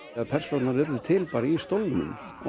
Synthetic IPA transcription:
aðpʰɛr̥sownaɾvɪɾðʏt̪ʰɪlpaːɾɪist̪owlnʏ̰m

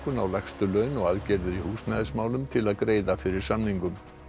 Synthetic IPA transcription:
kʏnawlaxst̪ʏlœːɥnɔɣaðcɛɾðʏɾihuːsnajðɪsmaːwlʏmt̪ʰɪlaðkɾeːjðafɪɾɪɾ̥samniŋkʏm

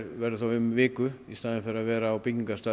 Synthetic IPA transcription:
ɾvɛɾðɪθawʏmvɪːkʏist̪aːðɪnfɪɾaðvɛːɾaːwpiŋkast̪a

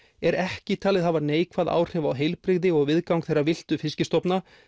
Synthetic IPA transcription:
ɛɾɛhcɪt̪ʰaːlɪðɦavaneːjkʰvaða̰ːwr̥ɛvawɦejlpɾɪɣðɪɔɣvɪðkawŋkθejrːavɪl̥t̪ʏfɪscɪst̪ɔpna

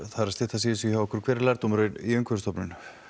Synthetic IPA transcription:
θaðɾast̪ɪht̪as̬iːðɪsiçawɔhkʏɾ̥kʰvɛːɾɪɾlaɾt̪umɾœɥnḭœɥŋkʰvʏɾst̪ɔpnʏn

